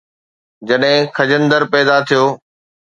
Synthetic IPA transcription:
d͡ʑɐɗɦɪ̃kʰɐd͡ʑənd̪əɾpɛːd̪at̪ʰijoː

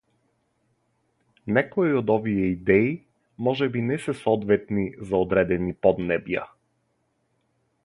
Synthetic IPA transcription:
nɛkɔiod̪ɔvijɛid̪ɛi | mɔʒɛbinɛsɛsɔd̪vɛt̪nizaod̪ɾɛd̪ɛnipɔd̪nɛbja̰

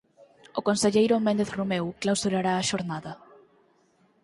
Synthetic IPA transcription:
ʊkonseʎejɾʊmẽnd̪eθrumewklawsuɾaɾaːʃoɾnaðɐ

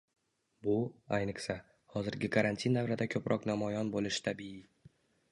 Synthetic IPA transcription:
bʊajnɪχsa | hɒzɪɾɡʲɪkʰaɾant̪ʰinːavɾad̪akʲʰɵpɾʔɒqnamɒjɒnbolɪʃɪ̥t̪ʰabii

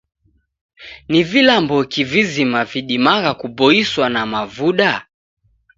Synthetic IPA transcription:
nivilambɔkivizimaviɗimaɣakubɔiswanamavuɗa

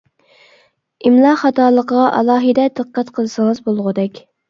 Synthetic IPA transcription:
imlˠɑχɑt̪ʰɑːlˠəqəʁɑʔɑ̰lˠɑːɦɨd̪ɛd̪ɨqqːæt̪qʰəlˠɨsəŋəzbolˠʁʊd̪ɛkʲ

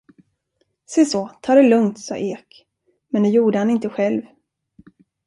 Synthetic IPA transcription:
sɛsoːt̪ʰɑːɾɛlɵŋt̪sɑ̰ːʔeːk | mɛnd̪ɛjuːɖəhanɪnt̪əɧɛlv

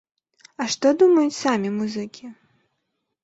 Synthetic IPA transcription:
ɐʂt̪ɔd̪umɐjut͡sʲsamʲimuzɨkʲʰi

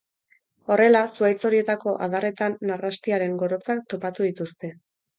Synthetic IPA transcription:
o̞re̞lasuajt͡so̞ɾie̞t̪ako̞ʔa̰ðare̞t̪anːarast̪iaɾe̞ŋɡo̞ɾo̞t͡sak̚t̪o̞pat̪uðit̪ust̪e̞

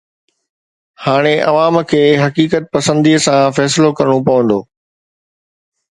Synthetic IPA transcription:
haːɽ̃eʔɐʋaːmkʰeːɦɐkiːkət̪̚pɐsə̃nd̪iːsãfɛːsɪlokɐɾɽ̃opɐʋə̃nd̪o̰ː

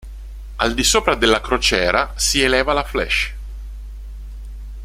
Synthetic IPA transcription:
ald̪isoːpɾad̪elːakɾot͡ʃɛːɾasielɛːvalaflɛ̰ʃ

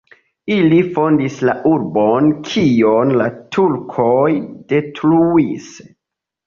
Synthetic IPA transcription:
ilifo̞ndislaʔuɾbonkʰionlatʰulkʰojd̥e̞tɾuis

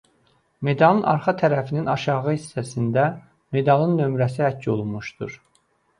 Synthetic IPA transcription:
me̞d̪ɑlˠɯnɑ̰ɾχɑt̪ʰæɾæfininɑʃɑʁɯhisːæsind̪æ | me̞d̪ɑlˠɯnːø̞mɾæs̬ihæcʰːo̞̰lˠunmuʃd̪̥ṵɾ

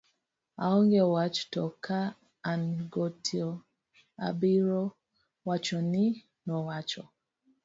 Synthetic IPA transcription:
a̰ɔŋɡɛwat͡ʃtɔkaː | nɡɔtʰiɔ | a̰biɾɔ | wat͡ʃɔni | nɔwat͡ʃɔ

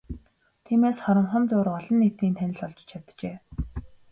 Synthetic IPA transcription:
t̪ʰiːmeːsχɔɾɞ̆ɴχə̆nt͡sʊːɾɔɮɞ̆nːet̪iːnt̪ʰænʲɪ̆ɮɔɮt͡ɕt͡ɕʰat̪t͡ɕeː

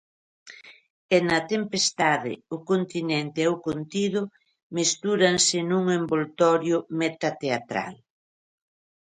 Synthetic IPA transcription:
ɛnɐt̪empest̪aðɪ̰ʊkont̪inɛnt̪ɪɛwkont̪iðʊ | mest̪uɾɐnsɪnuŋembolt̪ɔɾjʊmet̪at̪eat̪ɾa̰l

